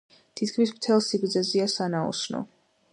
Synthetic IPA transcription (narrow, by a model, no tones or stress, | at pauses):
t̪ʰit̪kʰmismt̪ʰɛlˠsiɡɾd̪zɛziasanaɔ̰snɔ̰